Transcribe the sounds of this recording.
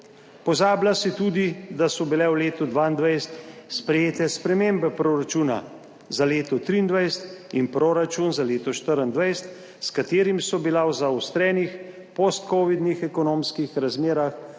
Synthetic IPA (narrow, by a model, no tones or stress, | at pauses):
pɔzaːblasit̪uːd̪id̪asɔbilɛwleːt̪ud̪ʋand̪ʋajst̪spɾɛjeːt̪ɛspɾɛmembɛpɾoːɾat͡ʃuːna̰ | zaleːt̪ɔt̪ɾiːnd̪ʋajst̪inpɾoːɾat͡ʃunzaleːt̪ɔʃt̪əɾənd̪ʋajst̪ | skat̪eːɾimsɔbilawzawst̪ɾɛːnix | post̪̚koːʋid̪nixɛkɔnoːmskixɾazmeːɾax